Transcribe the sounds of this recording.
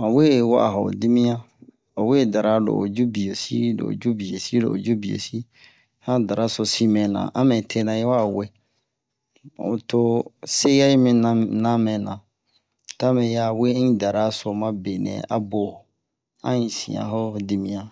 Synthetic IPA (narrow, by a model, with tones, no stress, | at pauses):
ã˨we˦˨wa̰˦ʔa̰˨ɦo̰˨di˦mĩ˦ã˦ | o˨we˦˨da˨ɾa˦lo̰˨o˨d͡ʒu˦bi˨jo˨si˦lo̰˨d͡ʒu˦bi˨e˨si˦lo̰˨o̰˨d͡ʒu˦bi˨ḛ˨si˦ | hã˦da˨ɾa˦so˨si˦mɛ̃˨nã̰˨ʔa˦mɛ̃˨tʰe˦nã˨je˦wa˦˨we˦˨ | o̰˨to˦se˦ja˦i˦mĩ˨˦nã˦mɛ̃˨nã˨ | ta˦mɛ̃˨ja˨wẽ˦ĩ˦da˨ɾa˦so˨mã˦be˨nɛ̰̃˨a̰˦bo˨ | ã̰˦ĩ˨sḭ̃˨ã̰˨ɦo˦di˦mĩ˦jã˦